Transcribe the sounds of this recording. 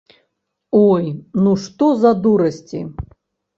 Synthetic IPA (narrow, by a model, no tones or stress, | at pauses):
ɔjnuʂt̪ɔzɐd̪uɾɐsʲt͡sʲḭ